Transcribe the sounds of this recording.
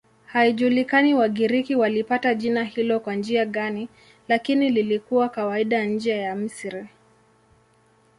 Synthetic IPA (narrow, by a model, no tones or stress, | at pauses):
haiʄulikaniwaɠiɾikiwalipataʄinahilɔkwand͡ʒiaɠani | lakinililikuwakawaiɗaɲ̩d͡ʒajam̩sɾi